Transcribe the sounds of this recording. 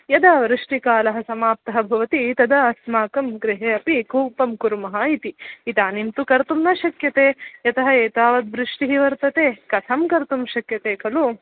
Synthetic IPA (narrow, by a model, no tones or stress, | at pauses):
jɐd̪aːʋɾuʂʈikaːlɐɦɐsɐmaːp̚t̪ɐɦɐbʱɐʋɐt̪it̪ɐd̪ɐɐsmaːkɐmɡɾiɦeːɐpikuːpɐmkuɾumɐɦɐit̪iːt̪aːnimt̪ukɐɾt̪umnɐʃɐkjɐt̪eːjɐt̪ɐɦɐeːt̪aːʋɐd̪ʋɾuʂʈiɦiʋɐɾt̪ɐt̪eːkɐt̪ʰɐmkɐɾt̪umʃɐkjɐt̪eːkɐlu